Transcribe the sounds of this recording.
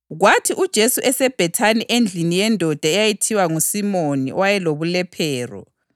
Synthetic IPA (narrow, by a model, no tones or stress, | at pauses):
ɣwatʰiʔud̥ʒ̥ʱesuʔɛsɛb̥ʱɛtʰaniʔend͡ɮʱinijɛndʱɔd̥ʱaɛjajitʰiwaŋusimonḭʔɔ̰wajɛloβulɛpʰɛːrɔ̰